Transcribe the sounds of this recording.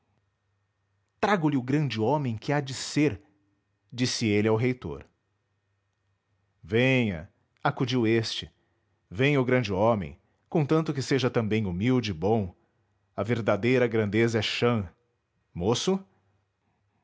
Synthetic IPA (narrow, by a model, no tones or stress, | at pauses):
t̪ɾaɡʊlɪʊɡɾɐ̃d͡ʒɪõmẽj̃kɪad͡ʒɪseɾ | d͡ʒisɪelɪawɦejt̪o̰ɾ | vẽjɐ̰ | akud͡ʒiwest͡ʃɪ | vẽj̃ʊɡɾɐ̃nd͡ʒɪõmḛ̃j̃ | kõt̪ɐ̃nt̪ʊkɪseʒɐt̪ɐ̃mbẽj̃umiwd͡ʒɪɪbõw̃ | ɐveɾd̪ad̪ejɾɐɡɾɐ̃nd̪ezɐɛʃɐ̃ | mosʊ